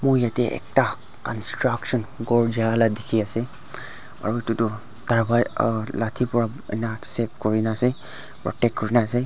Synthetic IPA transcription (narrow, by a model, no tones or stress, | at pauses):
mʊɹjatɛʔɛ̰k̚ta | kɔnstɹaksɔnɡɔɹd͡ʒialadekʰiasɛ | a̰ɹuitutʊ | taɹbajlatʰipɔɹa | ɛ̰nasɛp̚kɔɹinasɛ | pɹɔ̰tɛkːɔɹinaːsɛ